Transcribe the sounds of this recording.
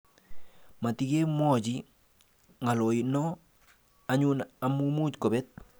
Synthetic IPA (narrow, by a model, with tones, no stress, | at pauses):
ma˨ti˨ɡe˦mɔ˦ɟi | ŋa˨lo˨jinɔ˦ | a˨ɲu˦na˨mumu˦t͡ʃko˨bɛ˦t̚